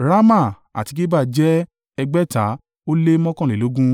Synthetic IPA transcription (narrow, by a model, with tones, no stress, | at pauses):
ɾa˦ma˦˨ | a̰˨ti˧ki˦ba˦˨d͡ʒɛ˦ | ɛ˧ɡ͡bɛ˦ta˨˦ | o˦le˦mɔ̃˦kɔ̃˦˨e˨o˨˦ɡũ˦